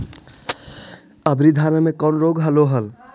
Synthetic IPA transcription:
əbɾid̪ʱaːnəmẽkɔːnɾoːɡɦəloɦəl

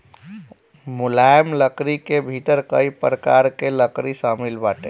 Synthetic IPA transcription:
mulajmləkɾikebʱit̪əɾkəjpɾəkaɾkeləkɾisamilbaʈe

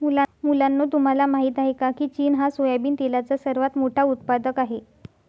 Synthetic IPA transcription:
mulamulanːot̪um̤alamaɦiːt̪aɦekakiːt͡ɕiːnɦasojabiːnt̪elat͡sasəɾʋat̪moʈʰaut̪pad̪əkaɦe

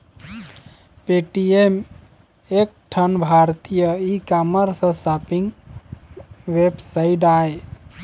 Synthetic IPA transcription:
peʈiem | ek̚ʈʰənbʱaɾt̪ijəikaməɾsə̃sapiŋɡ | ʋebsaiɖae

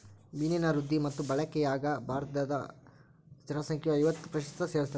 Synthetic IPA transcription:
bininɐɾud̪ʱːimɐt̪ːubɐɭɐkɛjaːɡɐbʱaːɾt̪ɐd̪ɐ | d͡ʒɐɾmɐsɐŋkʰjɐʋɐjʋɐt̪ːu̥pɾɐʃɐst̪ɐseːʋɐst̪ɐ

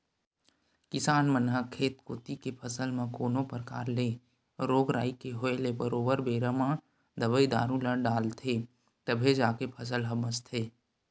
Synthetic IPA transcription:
kɪsaːnmənɦəkʰeːt̪koːt̪ikepʰəsəlmãkoːnopəɾka̰ːɾle | ɾoːɡɾa̰ːikeɦoelebəɾoːbəɾbeːɾəmã | d̪əbəid̪aːɾũləɖaːlt̪ʰe | t̪əbʱed͡ʒaːkepʰəs̬əlɦɐməst̪ʰeː

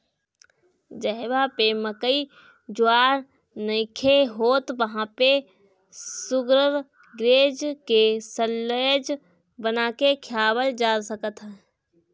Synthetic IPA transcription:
d͡ʒəɦbapeməkəi | d͡ʒʊaːɾ | nəɪkʰeɦoːt̪ʋəɦãpe | sʊɡɾəɾ | ɡɾeːd͡ʒkesəlːəd͡ʒ | bənaːkekʰjaːbəld͡ʒaːsəkət̪ɦɛː

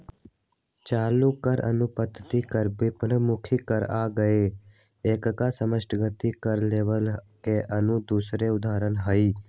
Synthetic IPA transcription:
t͡ʃaːlukəɾə̰nʊpət̪t̪ikəɾbɪpɾəmʊkʰikəɾaːɡəe | eːkkasəməsʈʰɡət̪ikəɾleːʋəlkeʔənud̪uːsɾeʊd̪aːɾənɦoiː

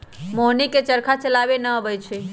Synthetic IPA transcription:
moɦniket͡ʃəɾkʰat͡ʃəlabenəbəjt͡ʃʰe

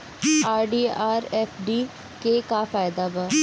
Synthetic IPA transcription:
aːɾɖiːaːɾɛːfɖiː | keːkaːfaːjd̪aːbaː

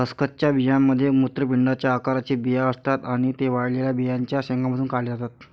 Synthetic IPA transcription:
əskət̪t͡ɕjabijamːəd̪ʱːjemut̪ɾəpiɳɖat͡ɕjaːkaɾat͡ɕiːbijaəst̪at̪aɽ̃it̪eʋaɽleljabijaɲt͡ɕjaɕeŋɡʰamad̪uːnkaled͡zat̪at̪

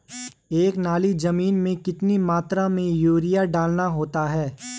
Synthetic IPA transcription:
eːknaːlid͡ʒɐmiːnmẽkɪt̪nimaːt̪ɾamẽjuːɾijaɖaːlnaɦoːt̪aɦɛː

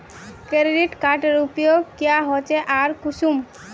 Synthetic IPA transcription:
keɾeɖiʈkaɾʈeɾupjoɡkijaɦɔt͡ʃeʔaɾkuʃum

